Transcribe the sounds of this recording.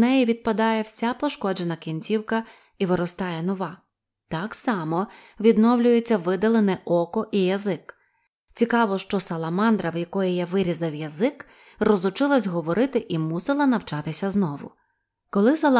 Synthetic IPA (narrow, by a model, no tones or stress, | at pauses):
nɛjiʋʲid̪̚pɐd̪ɑjɛwsʲapɔʃkɔd͡ʒenɐkʲinʲt͡sʲiwkɐ | iʋɪɾɔst̪ɑjɛnɔʋɑ | t̪ɑksɑmɔʋʲid̪nɔwlʲʊjet͡sʲːɐʋɪd̪ɐlˠenɛʔɔkɔʔijɐzɪk | t͡sʲikɑʋɔʃt͡ʃɔsɐlˠɐmɑnd̪ɾɐwjɐkɔjijaʋɪɾʲizɐwjɐzɪk | rɔzʊt͡ʃɪlˠɐzʲɦɔʋɔɾɪt̪ɪʔimusɪlˠɐnɐwt͡ʃɑt̪ɪsʲɐznɔʋʊ̰ | kɔlˠɪsɐlˠ